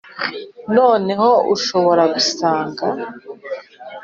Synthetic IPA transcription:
no̞ːne̞ho̞uʃoβo̞ɾaɡusaːŋɡa

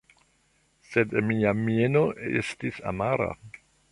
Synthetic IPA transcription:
sedmiamienoʔḛstisa̰maɾa̰

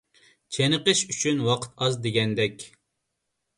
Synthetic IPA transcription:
t͡ʃʰenəqəʃyt͡ʃʰynwɑqʰə̥t̪ɑzd̪eɡʲɛnd̪ɛkʲ

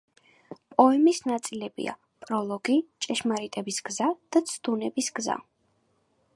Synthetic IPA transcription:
pʼɔɛmisnat̪sʼilɛbḭa̰ | pʼɾɔlˠɔɡ̥it͡ʃʼɛʃmaɾit̪ʼɛbisɡzad̪̥at̪sʰd̪unɛbisɡza̰

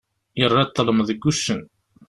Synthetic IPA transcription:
jərˤːæt̪ˤːələmðəɡːuʃːən

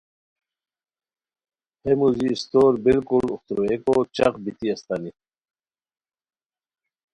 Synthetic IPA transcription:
hemuziːst̪oːɾbilkuluxt̪ɾuekot͡ɕɐqbit̪iɐst̪ani

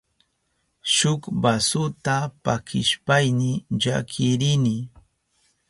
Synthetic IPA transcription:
ʃʊkbasʊt̪apakɪʃpajnɪʎa̰kʰɪɾɪnɪ

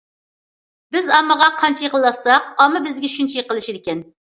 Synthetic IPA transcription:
bɪzɑmːəʁɑqʰɑnt͡ʃʰijeqəlˠːɑsɑq̚ɑmːɨbɪzɡʲɛʃynt͡ʃʰijeqəlˠɨʃid̪ɪkʲɛn

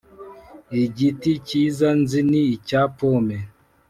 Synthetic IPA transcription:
iɟiticiːzanziniicapome

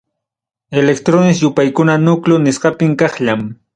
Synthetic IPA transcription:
elek̚t̪ɾonɪsjʊpajkʊnanʊklʊnɪsɢɑpɪŋkɑχʎam

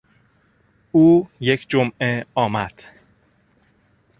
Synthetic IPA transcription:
uːje̞cʰd͡ʒomʔeɒːmæd̪̥

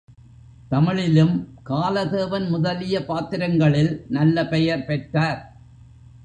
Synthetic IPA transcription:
t̪ɐmɐɭɪlɯmkaːlɐðeːʋɐnmʊðɐlɪjɐpaːt̪ɪɾɐŋɡɐɭɪlnɐlːɐpɛjɐɾpɛʈraːɾ

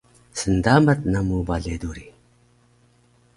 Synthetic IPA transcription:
sənd̪amət̪̚namubaɮed̪uɾi

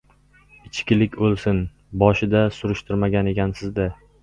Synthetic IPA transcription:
ɪt͡ʃkʲɪlɪkʲbolˠsɪn | bɒʃɪd̪asʊɾʊʃt̪ʰɪɾmaɡʲane̞kʲʰansɪzd̪ɪ

